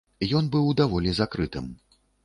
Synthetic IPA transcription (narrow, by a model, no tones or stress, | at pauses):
jɔnbɨwd̪avɔlʲizakɾɨt̪ɨm